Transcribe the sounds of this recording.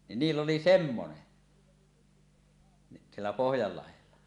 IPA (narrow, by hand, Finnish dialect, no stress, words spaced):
ni niːlː oli semːone ni sielːæ pohjɑlːɑhelːɑ